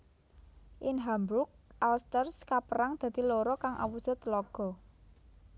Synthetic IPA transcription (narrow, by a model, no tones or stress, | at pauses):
ʔinɦambɾʊk̚ʔalst̪ərskapəɾaŋd̪̥a̤d̪̥i̤loɾɔkaŋʔa̰wusɔt̪əlɔɡ̥ɔ̤